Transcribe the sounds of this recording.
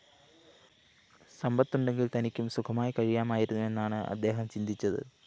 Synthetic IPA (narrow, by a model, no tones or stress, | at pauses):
sɐmbɐt̪ːuɳɖe̞ŋɡilt̪ɐnikʲːumsukʰɐmaːjkɐɻijaːmaːjiɾunːue̞nːaːɳɨɐ̰d̪ːe̞ːɦɐmt͡ɕind̪ʱit͡ɕːɐðɨ̰